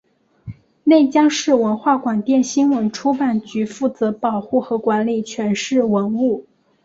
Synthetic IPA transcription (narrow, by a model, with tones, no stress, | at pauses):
ne˥˩ɪt͡ɕjɑ˥ŋʂɻ̩˥˩wə˧˥nxwa˥˩kwa˨˩nt̪jɛ˥˩nɕi˥nwə˧˥nʈ͡ʂʰu˥pa˨˩nt͡ɕy˧˥fu˥˩t͡sɤ˧˥pɑ˨˩ʊxu˥˩xɤ˧˥kwa˧˥nli˨˩t͡ɕʰɥɛ˧˥nʂɻ̩˥˩wə˧˥nu˥˩